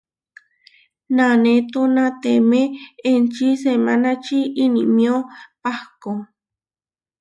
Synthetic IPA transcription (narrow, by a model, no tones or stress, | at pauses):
nanet̪onãt̪emeent͡ʃisemanat͡ʃiinḭʔmĩopahko